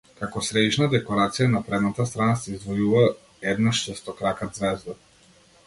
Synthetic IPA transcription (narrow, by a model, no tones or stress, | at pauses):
kakɔsɾɛd̪iʃnad̪ɛkɔɾat̪sijanapɾɛd̪nat̪ast̪ɾanasɛizd̪vɔjuva | ɛd̪naʃt͡ʃ̪ɛst̪ɔkɾakad̪zvɛzd̪a